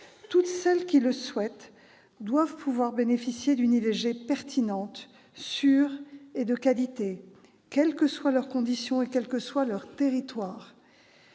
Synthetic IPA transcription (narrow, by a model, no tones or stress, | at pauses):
t̪ut̪sɛlkʲiləswɛt̪ | d̪wavpʰuvwaʁbenefisjed̪ynileʒepɛʁt̪ʰinɑ̃t̪ | syːʁed̪əkalit̪e | kʲɛlkəswalœʁkɔ̃d̪isjɔ̃ekʲɛlkəswalœʁt̪eʁit̪waːʁ